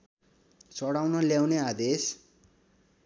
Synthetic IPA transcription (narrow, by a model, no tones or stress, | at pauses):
t͡sʌɽawnʌljawnead̪es